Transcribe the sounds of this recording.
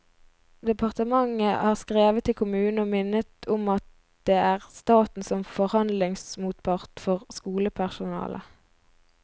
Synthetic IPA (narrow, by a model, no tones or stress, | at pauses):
d̪ɛpʰɑʁt̪əmɑŋəhɑːʁskʁeːʋət̪ʰːɪlkʰʊmʉːn̩əoːmɪnət̪ʊmɑt̪̚ | d̪̥eːæːʁst̪ɑːt̪n̩sɔmfɔʁhɑnd̪lɪŋsmuːt̪̚pʰɑʁt̪fɔʁskuːləpʰæʁsʊnɑ̰ːlʔə̰